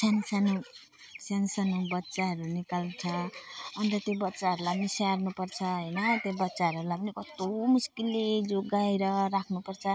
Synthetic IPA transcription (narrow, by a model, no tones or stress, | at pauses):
sansʌnu | sansʌnubʌtːsaɦʌɾunikalt͡sʰʌːnt̪ʌt̪jobʌtːsaɦʌɾulanisarnupʌrt͡sʰʌɦʌjnʌt̪ebʌtːsaɦʌɾuɾulapʌnikʌt̪omuskilːed͡zoɡajɾʌɾakʰnupʌrt͡sʰʌ